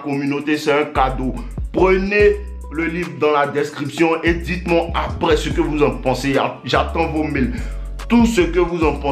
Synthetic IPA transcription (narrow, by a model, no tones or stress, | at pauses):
kɔmynot̪esɛɛ̃kad̪o | pχəne | ləlivʁd̪ɑ̃lad̪ɛskχipsjɔ̃ʔed̪it̪mɔ̃apʁɛsəkəvuzɑ̃pɑ̃se | ʒat̪ɑ̃vomil | t̪usəkəvuzɑ̃pɑ̃